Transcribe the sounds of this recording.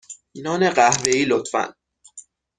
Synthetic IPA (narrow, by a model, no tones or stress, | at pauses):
iːnɒːneɢæhveiːlot̪fæ̰n